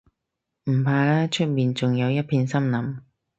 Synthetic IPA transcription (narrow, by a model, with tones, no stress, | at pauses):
m̩˨˩pʰaː˧laː˥t͡ʃʰɵ˥t̚miː˨nt͡sʊ˨ŋjɐ˨˧wjɐ˥t̚pʰiː˧nsɐ˥mnɐ˨˩m